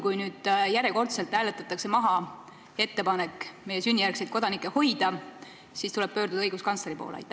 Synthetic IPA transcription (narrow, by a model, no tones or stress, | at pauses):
kujnyːd̪̥jæɾeko̞rt̪se̞lt̪hæːlet̪ːˑɑt̪ːˑɑkse̞mɑɦɑ | e̞t̪ːe̞pɑne̞kːmejːe̞synʲːijærkse̞jt̪̚ko̞d̪ɑnikːˑeho̞jd̪ɑ | siːst̪ulɛb̥̚pø̞ːrɾd̪ud̪̥ɤjɡ̥uskɑnsleɾipo̞̰ːl̰ɑ̰jt̪ːˑ